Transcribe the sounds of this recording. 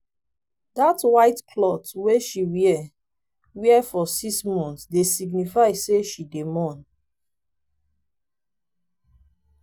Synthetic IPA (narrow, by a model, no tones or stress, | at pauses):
datwaɪtkʰlɔtweʃiwiɛ | wiɛfɔsismɔ̃nsdesiɡnifaɪseʃidemɔ̃n